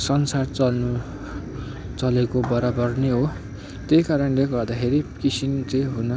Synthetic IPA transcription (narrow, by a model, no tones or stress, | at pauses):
sʌnsart͡sʌnu | t͡sʌlekobʌɾabʌrneɦo | t̪ekaɾʌnleɡʌrd̪akʰeɾikisint͡sʌjɦunʌ